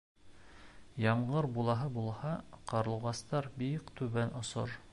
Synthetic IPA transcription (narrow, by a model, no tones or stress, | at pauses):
jɑmʁɤɾbulˠɑɦɤbulˠhɑqɑɾlˠuʁɑst̪ɑɾbikt̪ʉβænʔŏso̰ɾ